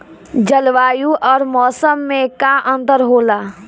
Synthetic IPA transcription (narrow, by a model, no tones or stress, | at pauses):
d͡ʒəlʋaːjuʔɔːɾmɔːsəmːekaʔə̃nt̪əɾɦoːla